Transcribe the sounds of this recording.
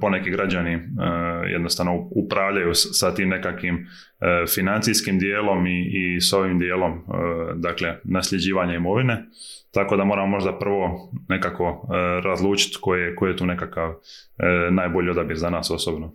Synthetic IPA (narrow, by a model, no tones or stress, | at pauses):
po̞ne̞kiɡɾad͡ʑani | jḛd̪nost̪aʋnoupɾaːʋʎajussat̪iːmne̞kakʋim | finant̪siskimd̪jeːlo̞miːso̞ʋimd̪je̞ːlo̞md̪akle̞naslʎe̞d͡ʑiːʋaɲaimo̞ʋine̞t̪ako̞d̪amoːɾamomo̞ʒd̪apr̩ʋo̞ne̞kakʋo̞ɾazlˠuːt͡ʃi̥t̪kojiekojjet̪uːne̞kakaʋ | naːjbo̞ʎio̞d̪abiɾzanaːso̞sobno